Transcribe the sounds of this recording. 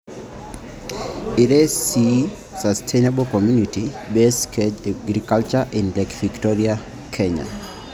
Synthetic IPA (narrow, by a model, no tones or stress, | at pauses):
iɾesi | sastʰenebɔkɔmjunitibɛskɛd͡ʒaɡɾikalt͡ʃaʔinlɛkviktɔɾia | kʰɛɲa̰